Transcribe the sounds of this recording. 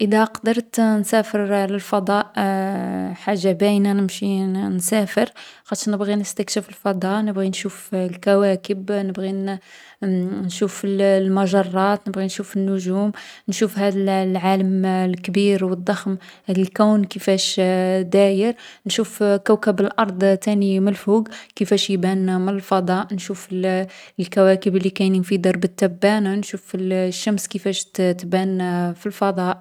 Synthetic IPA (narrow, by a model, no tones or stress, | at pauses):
ʔəd̪æqɑd̪əɾˤt̪nsæfəɾləlfɑd̪ˤɑʔ | ħaʒːabæjnænəmʃinsæfəɾxɑt̪ʃnəbɣinəst̪ækʃəfəlfɑd̪ˤɑʔnəbɣinʃuflkæwækəbnəbɣi | nʃufllmɑʒɑrˤːɑt̪nəbɣinʃufənːʊʒumnʃufhæd̪əllʕaləmlkbiɾwəd̪ˤːɑxmhæd̪əlkæwnkəfæʃd̪æjəɾnʃufkəwkəbəlʔɑɾˤd̪ˤt̪æniməlfuɡkəfæʃjbænmənəlfɑd̪ˤɑʔnʃufllkæwækəblːikæjnənfid̪əɾˤbət̪ːæbːænanʃuflʃːæmskəfæʃt̪bænfilfɑd̪ˤɑʔ